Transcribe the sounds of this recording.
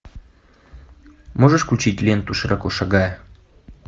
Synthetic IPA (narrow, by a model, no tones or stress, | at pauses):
moʐəʂklʲʊt͡ɕitʲlʲent̪uʂɨɾʔɐkoʂɐɡajə